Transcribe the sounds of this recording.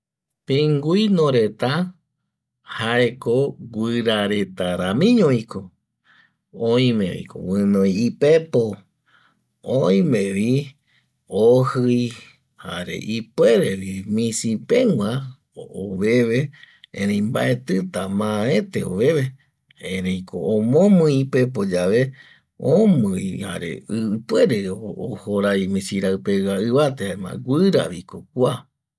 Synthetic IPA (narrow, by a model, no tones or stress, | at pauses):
pĩŋɡuijnõɾet̪a | haekoɡʷɨɾaɾet̪aɾamĩɲõiko | õj̃mḛ̃βḭko̰wɨ̃nõjipepo | oj̃mẽβi | ohɨj | ha̰ɾḛʔipweɾeβimĩsipẽŋʷã | oβe̞βe | ḛ̃ɾẽjmba̰ʔe̞t̪ɨt̪amãet̪eo̰βe̞βe | ẽɾẽjkoomõmɨ̃ipep̬od͡ʒaʋe | õmɨjha̰ɾḛɨpwe̞ɾeoo̰hoɾajmĩsiɾaɨpewaɨβat̪ehaemã̰ɡʷɨɾa̰βikokʷa